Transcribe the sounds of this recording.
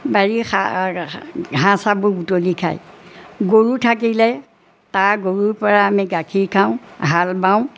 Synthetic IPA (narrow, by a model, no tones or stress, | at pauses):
baɹixa | ɦãsabʊɡutolikʰa̰jɡoɹutʰak̬ilɛ | taɹɡoɹuɹpɔɹaːmiɡakʰiɹkʰaʊ̃ɦalbaʊ̃